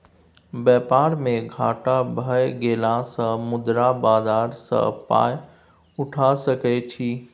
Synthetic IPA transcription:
bɛpaɾmẽɡʱaʈabʱəjɡelãsə̃mʊd̪ɾabazaɾsə̰̃pa̰j | ʊʈʰasəkɛt͡ʃʰi

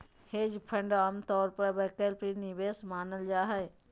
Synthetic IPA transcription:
heːd͡ʒpʰə̃ɳɖaːmt̪ɔːɾpɐɾbɛːkəlpɾinɪʋeːsmaːnəld͡ʒaːɦɛ

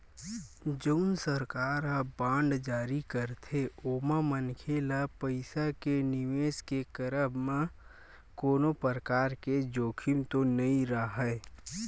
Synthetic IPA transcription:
d͡ʒəʊnsəɾkaːɾabãːɳɖd͡ʒaːɾikəɾt̪ʰeoːmamənkʰeːlapəɪsakenɪʋeːskekəɾəbmẽ | koːnopəɾəkaːɾked͡ʒoːkʰimt̪onɐĩɾaɦɛː

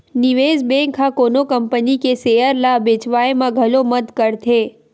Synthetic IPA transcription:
nɪʋeːzbẽːŋkʰakoːnokəmpənikesejəɾlabeːt͡ʃʋaːemãɡʱɐloməd̪kəɾt̪ʰeː

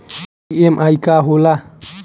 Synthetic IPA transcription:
emʔajkaɦula

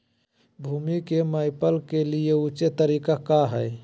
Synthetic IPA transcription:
bʱuːmikemaɪpəlkelieut͡ʃet̪əɾikakaɦəj

